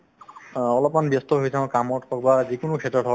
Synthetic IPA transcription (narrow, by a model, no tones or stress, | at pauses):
ɔlɔpmanbjɔstɔɦojsʰãʊ̃kamɔtkɔk̚bazikʊnʊkʰɛtɔtʰɔ